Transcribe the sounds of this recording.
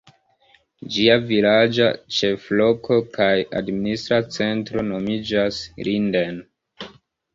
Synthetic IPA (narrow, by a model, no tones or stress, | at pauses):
d͡ʒiavilad͡ʒa̰t͡ʃe̞flo̞ko̞kaja̰dministɾat͡se̞ntɾo̞no̞mid͡ʒaslinden